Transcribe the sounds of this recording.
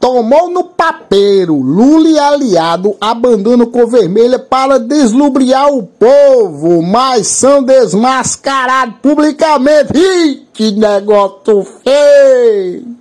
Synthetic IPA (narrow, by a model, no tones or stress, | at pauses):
t̪omownʊpapejɾʊlulialiad̪ʊʔabɐ̃nd̪õnʊkõveɾmeʎɐpaɾɐd̪ezlubɾiaɾʊpovʊmɐjssɐ̃w̃d̪ezmaskaɾad̪ʊpublikamẽt̪ɪikɪnɛɡɔsʊfej